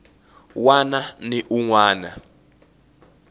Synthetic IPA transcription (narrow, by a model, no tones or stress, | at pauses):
wananiʔuŋwaːna̰